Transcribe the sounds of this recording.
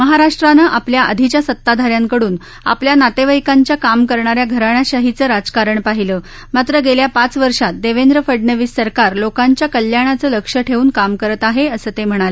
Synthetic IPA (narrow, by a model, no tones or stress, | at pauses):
məɦaɾaʂʈɾanəʔapljaʔəd̪ʱit͡ɕjasət̪ːad̪ʱaɾjaŋkəɽuːn | a̰pljanat̪eʋəjkaɲt͡ɕjakamkəɾɳaɾjaɡʱəɾaɳjaɕəɦit͡səːɾad͡zkaɾəɳpaɦiləː | mat̪ɾəɡeljapat͡sʋəɾʂat̪̚d̪eʋend̪ɾəfəɖnəʋiːsːəɾkaɾlokaɲt͡ɕjakəljaɽ̃at͡səːləkʂəʈʰeʋuːnkamkəɾət̪aɦeəsəːt̪em̤əɽ̃alə